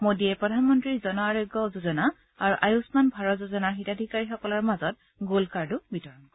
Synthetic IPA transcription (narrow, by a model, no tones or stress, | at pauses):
modiɛpɹɔdʱanmɔntɹiɹzɔnɔaɹojɡɔzuzɔna | aɹuʔajusmanbʱaɹɔtzuzɔnaɹxitadʱikaɹixɔkɔlaɹmazɔt | ɡulkaɹdubitɔɹɔnkɔ